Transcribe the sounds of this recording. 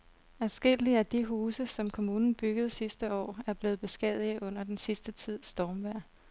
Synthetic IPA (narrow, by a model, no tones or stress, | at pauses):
æsɡ̥e̝l̰iæd̥iɦuːsəsɒ̽mkʰo̝muːnn̩b̥yɡ̥əð̩ˠsisd̥əɒ̰ːæɐb̥le̝ːð̩ˠb̥e̝sɡ̥ɛð̰ˠiʔɔ̽n̰ɐd̥ensisd̥ət͡sʰið̞̰ˠsd̥ɒːmʋæɐ̰